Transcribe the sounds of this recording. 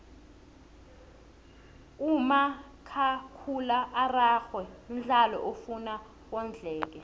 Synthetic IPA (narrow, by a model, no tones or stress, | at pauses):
uma | kʰakʰulaʔːraːxwɛnɮʱalɔ̰ʔofuna | w̬ɔnd͡ɮʱɛːk̬ɛ